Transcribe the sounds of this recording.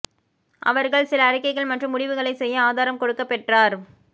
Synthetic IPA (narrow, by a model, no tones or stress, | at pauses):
ʔɐ̰ʋɐɾɣɐɭsɪlɐːɽɪkːɐɪɣɐɭmɐʈrɯmːʊɽɪʋɯɣɐɭɐɪsɛjːɐaːðaːɾɐmkɔɽɯkːɐpːɛʈraːɾ